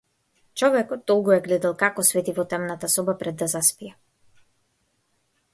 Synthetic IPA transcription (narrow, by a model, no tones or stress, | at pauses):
t͡ʃɔvɛkɔt̪̚d̪ːɔlˠɡujɛɡlɛd̪alˠkakɔsvɛt̪ivɔt̪ɛmnat̪asɔbapɾɛd̪ːazaspiɛ